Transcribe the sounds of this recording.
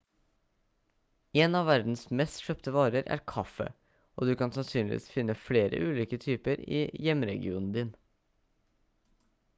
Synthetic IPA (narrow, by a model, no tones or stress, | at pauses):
eːnɑʋæɾd̪n̩smɛst̪ʃœpt̪əʋɑːɾəɾæ̰ɾkʰɑfə̰ | o̰ːd̪ʉːkɑnsɑnsyːnlɪ̰ʋḭːsfɪnːəfɽeːɾə̰ʔʉːliːkət̪ʰyːpəɾḭːjɛmɾɛɡɪuːnn̩d̪ɪːn